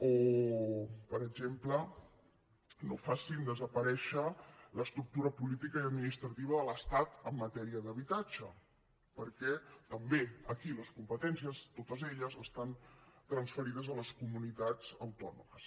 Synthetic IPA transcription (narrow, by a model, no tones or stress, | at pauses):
o | pəɾəɡʒemplə | nofasind̪əzəpəɾɛʃələst̪ɾuk̚t̪uɾəpulit̪ikəjəd̪minist̪ɾət̪iβ̞əðələst̪at̪əmːət̪ɛɾiəðəβit̪ad͡ʒə̰ | pəɾkɛt̪əmbeəkiləskumpət̪ɛnsiəst̪ot̪əzeʎəzəst̪ant̪ɾənsfəɾiðəzələskumunit̪ad͡zəwt̪ɔ̰numəs